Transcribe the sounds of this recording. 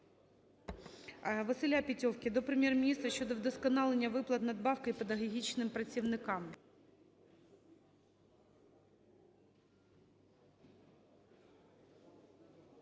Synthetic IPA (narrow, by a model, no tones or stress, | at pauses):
ʋɐsɨlʲapʲɪtʲowkʲɪd̪ɔpɾɪmjɛrmʲɪnʲist̪ɾɐɕʲːod̪ɔvd̪ɔskɔnɑlˠenʲːɐʋɨplˠɐt̪nɐd̪̚bɑfkɐjpɛd̪ɐɦɐɦʲit͡ɕnɪmpɾɐt͡sʲiwnɪkɑm